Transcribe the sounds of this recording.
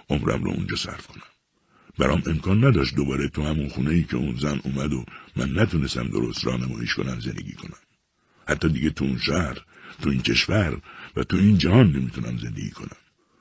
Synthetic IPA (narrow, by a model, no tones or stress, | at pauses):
ʔomɾæ̰mɾɔ̰ṵnd͡ʒɒːsæ̰ɾfkʰo̞næm | bæɾɒːmʔe̞mkʰɒːnːæd̪ɒːʃt̪d̪obɒːɾet̪ʰuhæmunxuːneiːcʰḛunzænuːmæd̪omæ̰nːæt̪ʰunest̪æmd̪o̞̰ɾost̪ɾɒ̰ːnemɒ̰ːjeʃko̞næmzend̪ḛɡḭːkʰo̞næm | hæt̪ʰːɒːd̪iɟet̪ʰuunʃæhɾt̪ʰuiːncʰe̞ʃvæɾvæt̪ʰuind͡ʒæhɒːnːemiːt̪ʰunæmze̞nd̪eɡḭːkʰo̞næm